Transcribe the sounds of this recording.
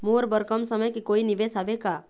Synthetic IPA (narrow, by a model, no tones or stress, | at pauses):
moːɾbəɾkəmsəməjkikoːiniʋesaʋeka